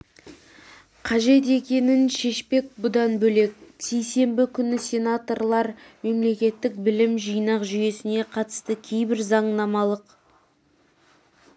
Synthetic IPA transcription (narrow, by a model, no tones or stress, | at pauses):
qʰɑʒe̞t̪̬e̞kʲe̞nɪnʃe̞ʃpe̞k̚bʊd̪ɑnbɵle̞k̚ʲse̞jse̞mbɪkʲʰʏnɪsʲe̞nat̪o̞rlˠɑɾme̞mle̞kʲe̞t̪ːɪk̚bɪlɪmʒijnɑqʒʏje̞sɪne̞qʰɑt̪ə̥st̪əkʲʰe̞jbɪɾzɑɴnɑmɑlˠəq